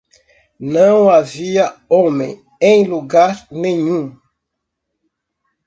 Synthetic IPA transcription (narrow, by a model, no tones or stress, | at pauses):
nɐ̃w̃aviɐõmḛ̃ | ẽj̃luɡaɾnẽɲũ